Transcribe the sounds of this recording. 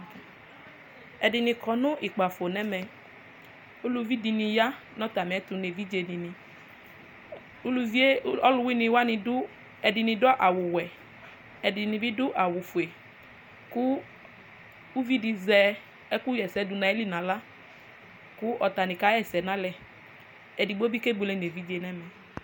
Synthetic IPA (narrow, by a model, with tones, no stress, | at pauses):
ɛ˨dɪ˨nĩ˧kɔ˨nʊ̃˦ʔi˨k͡pa˨fo˨nɛ˦mɛ˨ | u˦lu˧vi˦di˧nĩ˧ja˦ | nɔ̃˦t̪a˨mĩ˨ɛ˦t̪u˧ne˨vi˦d͡ʒe˧nĩ˧nĩ˨ | u˦lu˧vi˦e˦ɔ˦lʊ˦wi˦nĩ˧wa˦nĩ˧dʊ˦ | ɛ˨dɪ˧nĩ˧dɔ˦ʔa˨wʊ˨wɛ˨ | ɛ˨dɪ˨nĩ˨bi˦dʊ˦ʔa˨wʊ˨fu˨e˨ | kʊ˦ | u˦vi˦di˨zɛ˦ | ɛ˦kʊ˦jɛ˨sɛ˨˦dʊ˨nã˨˦ɛ˦li˦nã˨la˦ | kʊ˦ʔɔ˨ta˨nɪ̃˨ka˦ɛ˨sɛ˨nã˦lɛ˨ | ɛ˨di˨ɡ͡bo˦bi˦ke˦bu˨lɛ˦ne˨vi˦d͡ʒe˨nɛ˦mɛ˨